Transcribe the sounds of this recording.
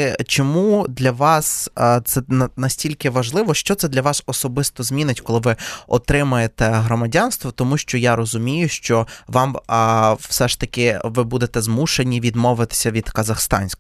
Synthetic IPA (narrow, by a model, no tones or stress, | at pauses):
t͡ʃɔmud̪lʲɐʋɑst̪sɛnɐnɐsʲtʲilʲkɪʋɐʒlˠɪʋɔʃt͡ʃɔt̪sɛd̪lʲɐʋɑsɔsɔbɪst̪ɔzmʲinɪtʲkɔlˠɪʋɪɔt̪ɾɪmʊjet̪ɛɦɾɔmɐdʲɑnst̪ʋɔt̪ɔmuʃt͡ʃɔjaɾɔzʊmʲijʊʃt͡ʃɔʋɑm | wsɛʃt̪ɐkɪʋɪbud̪et̪ɛzmuʃenʲiʋʲid̪mɔʋɪt̪ɪ̥sʲɐʋʲid̪kɐzɐxst̪ɑ̰nʲsʲk